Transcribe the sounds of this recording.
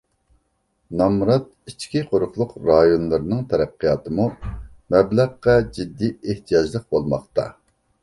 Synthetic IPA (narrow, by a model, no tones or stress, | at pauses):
nɑmɾɑt̪̚ | it͡ʃkʲʰiqʰoɾʊχlˠʊqɾɑjonlˠɨɾɨnɨŋt̪ʰɛɾæqːijɑːt̪ɨmu | mɛblæʁːɑd͡ʒid̪ːieht̪ʰijɑʒlˠəq̚bolˠmɑχt̪ɑ̰